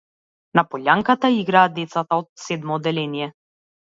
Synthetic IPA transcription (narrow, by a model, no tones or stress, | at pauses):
napɔʎʲaŋkat̪aiɡɾaːd̪ɛt̪sat̪aɔt̪̚sɛd̪mɔːd̪ɛlɛnijɛ